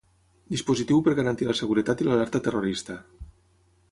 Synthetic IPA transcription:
d̪ispuzit̪iwpəɾɣaɾant̪ilasəɣuɾət̪at̪ilalɛɾt̪at̪eroɾist̪a

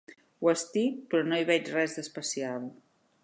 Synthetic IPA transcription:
wəst̪ipɾɔnoiβɛt͡ʃrɛzðəspəsiaβu

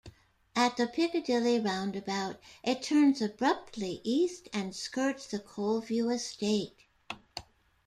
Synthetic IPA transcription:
ɨt̪̚ðɨpʰɪkɨdɪlˠiɹãʊ̃ndɨbaʊɾʔɨtʰɜ̃˞nzɨbɹʌp̚tʰˡliʔistɨ̃nskɜ˞tsðɨkʰoʊlˠvjʉɨsteɪt̚

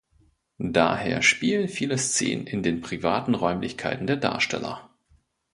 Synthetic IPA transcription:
da̰ːheːɐʃpiːlənfiːləst͡sḛːnə̰nʔɪndeːnpʁ̥ivaːtn̩ʁɔʏmlɪçkʰaɪtn̩deːɐda̰ːɐʃtʰɛ̰lɐ̰

